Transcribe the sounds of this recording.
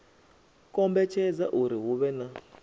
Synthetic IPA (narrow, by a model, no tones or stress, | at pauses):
kʼɔmbɛt͡ʃʰɛd͡zaʔuɾiɦuβɛna